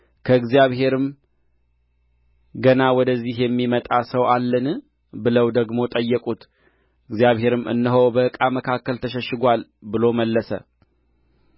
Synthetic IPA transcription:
kʰəɨɡzijaβɦe̞ɾɨm | ɡənawɔd̪əzːihjɛmːimət̪ʼasəwʔalːən | bɨləwd̪əɡmo̞t̪ʼəjːɛkʼut̪ | ɨɡzijaβɦe̞ɾɨmɨ̰nːɨɦowbəɨkʼaməkʰakːəlt̪ʰəʃɛʃːɨɡʷal | bɨlo̞məlːəsə̰

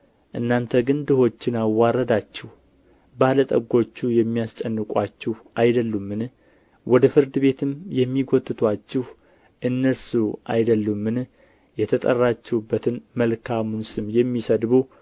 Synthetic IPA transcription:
ʔɨnːant̪ʰəɡɨnd̪ɨho̞t͡ʃːɪnawaɾəd̪at͡ʃːɪh | balət̪ʼəɡo̞t͡ʃːujɛmːijast͡ʃʼɛnːɨkʼat͡ʃːɪhʔajd̪əlːumːɨn | wɔd̪əfɨɾd̪ɨβe̞t̪ʰɨmjɛmːiɡot̪ʼːɨt̪ʰwat͡ʃːɪh | ʔɨnːəlsuʔa̰jd̪əlːumːɨn | jɛt̪ʰət̪ʼə̰rːat͡ʃːɛwubːət̪ʰɨnməlkʰamunsʼɨmjɛmːisəd̪bu

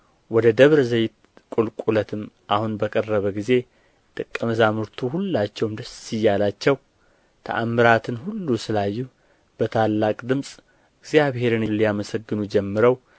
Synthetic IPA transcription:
wɔd̪əd̪əβɾzəjt̪ | kʼulkʼulət̪ʰɨmʔahunbəkʼərːəβəɡize̞ | t̪ʼɨkʼːəməzamɨɾt̪ʰuhulːat͡ʃːɛwmd̪əsːijːalat͡ʃːɛw | t̪ʰə̰ʔamːɨɾat̪ʰɨnhulːusɨlajːu | b̥ət̪ʰalːakʼd̪ɨmsʼ | ɨɡzjaβhe̞ɾɨnlːijaməsəɡːɨnud͡ʒɛmːɨɾəw

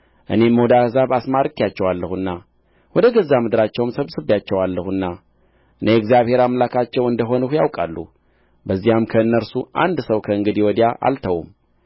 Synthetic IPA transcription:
ʔɨ̰ne̞mːəod̪ahɨzaβasmaɾɨkːijat͡ʃːɛwalːəhuɨnːa | wɔd̪əɡəzːamɨd̪ɨɾat͡ʃːɛwmsəβsɨβjat͡ʃːɛwalːəhunːa | ʔɨneɨɡzjaβhe̞ɾamlakʰat͡ʃːɛwɨnd̪əɦo̞nəhujawkʼalːṵ | bəzːijamkʰəɨnːəɾsuʔa̰nd̪səwkʰəɨŋɡɨd̪iwɔd̪jaʔa̰lt̪ʰəwṵm

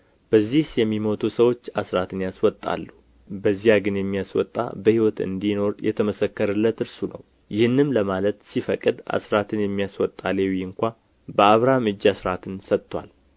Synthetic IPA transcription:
b̥əzːihsjɛmːimo̞t̪ʰusəwo̞t͡ʃːasɾat̪ʰɨnjaswɔt̪ʼːa̰lːu | bəzːijaɡɨnjɛmːijaswɔ̰t̪ʼːa̰bəhiwɔt̪ɨ̰nd̪ino̞ɾjʔɛ̰t̪ʰəməsəkːəɾɨlːət̪ɨɾsunə̰w | jɪhɨnːɨmləmalət̪sifəkʼːɨd̪a̰sɾat̪ʰɨnjɛmːijaswɔt̪ʼːalewjɨŋkʷa | bəaβɾamɨd͡ʒːasɾat̪ʰɨnsət̪ːwa̰l

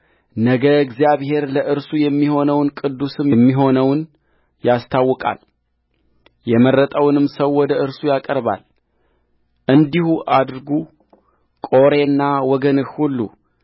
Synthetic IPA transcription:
nəɡəɡzijaβhe̞ɾləʔɨɾsujɛmːiho̞nəwnkʼɨd̪ːusɨmjmːiɦo̞nəwn | jast̪ʰawːɔkʼa̰l | jɛmərːət̪ʼəwnɨmsəwːɔd̪əʔɨɾsujakʼəɾba̰l | ʔɨnd̪ihuʔad̪ɾɡu | kʼo̞ɾe̞nːawɔɡənɨxhulːṵ

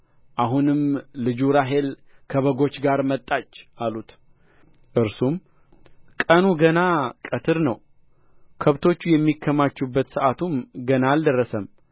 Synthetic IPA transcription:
ʔaɦunɨmlɨd͡ʒuɾaɦe̞l | kʰəβəɡo̞t͡ʃːɡaɾmət̪ʼːat͡ʃːʔalut̪ | ʔɨɾsum | kʼənuɡənakʼət̪ʰɨɾnəw | kʰəβt̪ʰo̞t͡ʃːujɛmːikʰːəmat͡ʃːubːət̪sɨʔat̪ʰumɡənald̪ərːəsəm

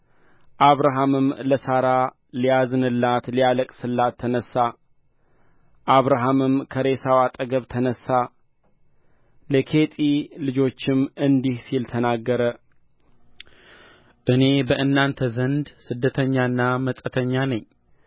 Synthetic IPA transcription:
ʔaβɾaɦamɨmləsaɾa | lijazɨnɨlːat̪lijaləkʼsɨlːat̪ʰːənəsːa | ʔaβɾaɦamɨmkʰəɾe̞sawat̪ʼəɡəβt̪ʰːənəsːa | ləkʰe̞t̪ʼilɨd͡ʒo̞t͡ʃːɪmɨnd̪ihsilt̪ʰənaɡːəɾə | ʔɨne̞bəʔɨnːant̪ʰəzənd̪sɨd̪ːət̪ʰəɲːaɨnːaməsʼət̪ʰəɲːanəɲː

